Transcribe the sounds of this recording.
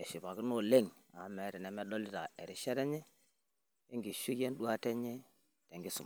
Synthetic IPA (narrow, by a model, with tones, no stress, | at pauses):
ɛ˨ʃi˨ba˨ki˦no˦le˦˨ŋ | a˨˦mɛ˨˦ɾɛ˨nɛ˨mɛ˦dɔ˦li˦ta̰˨ɛ˨ɾi˨ʃɛ˦ɾɛ˦ɲɛ˦ | e˦ŋɡi˨ʃi˦je˦n˦dwa˦tɛ˦ɲɛ˦ | tɛ˨ŋɡi˦sṵ˨m˨